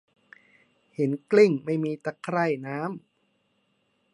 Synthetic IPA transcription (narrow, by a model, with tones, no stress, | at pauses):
he˩˦nkli˥˩ŋma˥˩jmiː˧t̪a˧˩kʰɾa˥˩jnaː˦˥m